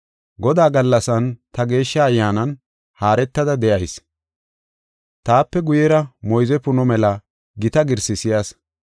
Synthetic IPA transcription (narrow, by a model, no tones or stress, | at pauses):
ɡɔd̪aːɡɐlːɐsɐnt̪ɐɡe̞ːʃːɐːjːaːnɐn | haːɾɛt̪ːɐd̪ɐd̪ɛʔɐjs | t̪aːpːɛɡʊjɛɾɐmɔjzɛpʊnɔmɛlɐ | ɡɪt̪ɐɡɪɾsɪsɪjas